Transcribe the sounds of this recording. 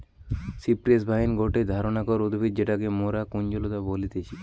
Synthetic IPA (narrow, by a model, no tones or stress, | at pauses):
sipɾiesbʱaɦinɡʱoʈed̪ʱaɾonakɔud̪bʱid̪d͡ʑeʈakemoɾakund͡ʑolot̪abolit̪et͡ɕʰi